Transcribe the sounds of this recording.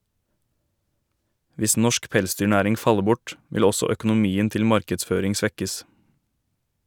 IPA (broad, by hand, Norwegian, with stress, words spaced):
ˈʋɪs ˈnɔʃk ˈpɛlˌsdyːˌɳæːɾɪŋ ˈfɑlə ˈbʊʈ ˈʋɪl ˈɔsɔ œkʊnʊˈmiːən ˈtɪl ˈmɑɾkədˌsføːɾɪŋ ˈsʋɛkəs